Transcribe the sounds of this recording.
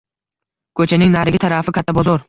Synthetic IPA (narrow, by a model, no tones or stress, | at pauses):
kʰɵt͡ʃʰanɪŋnaɾɪɡʲɪt̪ʰaɾafɪkʲʰat̪ʰːabɒzɒɾ